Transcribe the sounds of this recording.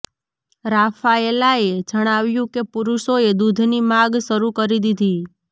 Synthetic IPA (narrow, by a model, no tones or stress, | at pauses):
ɾafaelaed͡ʒəɽ̃aʋjũkepuɾuʃoed̪ud̪ʱnimaɡʃəɾukəɾid̪id̪ʱi